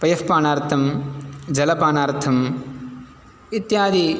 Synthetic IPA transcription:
pɐjɐfpaːnaːɾt̪ʰɐmd͡ʒɐlɐpaːnaːɾt̪ʰɐm | it̪jaːd̪i

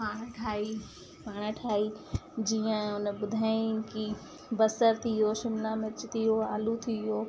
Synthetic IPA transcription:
paːɽ̃ʈʰaːi | paːɽ̃əʈʰaːid͡ʑiːə̃ʊnbʊd̪ʱaːĩki | bɐsəɾt̪ʰijoʃɪmlamɪt͡ʃt̪ʰijoa̰ːlut̪ʰijoː

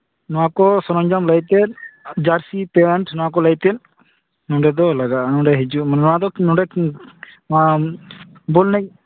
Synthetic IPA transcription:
nɔwakɔsɔnɔɲd͡ʒamlajt̪ɛd͡ʒaɾsipɛɳʈnɔwakɔlajt̪ɛn | nɔɖɛd̪ɔlaɡanɔ̃ɖɛɦɛd͡ʒunɔwad̪ɔnɔɖɛ | bɔlnɛj

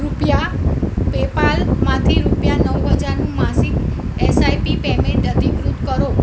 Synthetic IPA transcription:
ɾupjapepalmãt̪ʰiɾupjanəwɦəd͡ʒaɾnũmãsik | esajpipemẽɳʈəd̪ʱikɾut̪kəɾo

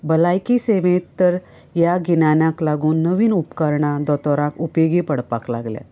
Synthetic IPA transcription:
bəlajkiseʋẽt̪ːəɾ | jaɡinanjãklaɡuːnːəʋiːnupkəɾɳad̪ɔt̪ɔɾãkupjeɡipəɽpakla̰ɡlja̰

